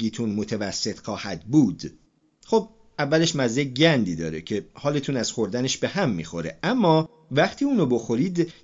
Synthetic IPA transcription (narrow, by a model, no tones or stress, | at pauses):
iːt̪ʰunmo̞t̪ʰevæsːe̞t̪ʰxɒːhæd̪̚buːd̪̥ | xo̞b̚ | ʔævːæle̞ʃmæzeɟænd̪iːd̪ɒ̰ːɾecʰe̞hɒːle̞t̪ʰuːnæz̥xo̞ɾd̪æneʃbe̞hæmːḭːxo̞ɾeʔæmːɒː | væχt̪ʰiːuːnobo̞xo̞ɾiːd̪